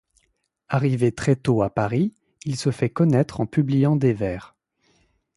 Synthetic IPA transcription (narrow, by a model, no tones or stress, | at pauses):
aʁivet̪χɛt̪oapaʁi | ilsəfɛkɔnɛt̪χɑ̃pyblijɑ̃d̪evɛːʁ